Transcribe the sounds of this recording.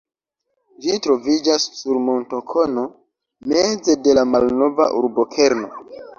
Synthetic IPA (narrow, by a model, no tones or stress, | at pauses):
d͡ʒitɾo̞vid͡ʒassuɾmo̞ntokʰo̞no̞ | me̞d͡ze̞de̞lamalno̞va̰ʔuɾbo̞kʰe̞ɾno̞̰